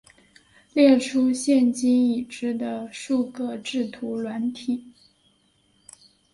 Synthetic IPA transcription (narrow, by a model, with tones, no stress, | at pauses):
ljɛ˥˩ʈ͡ʂʰu˥ɕjɛ˥˩nt͡ɕi˥ŋi˨˩ʈ͡ʂɻ̩˥˩d̪ə˨ʂu˥˧kɤ˥˧ʈ͡ʂɻ̩˥˩t̪ʰu˧˥lwa˧˥nt̪ʰi˨˩˦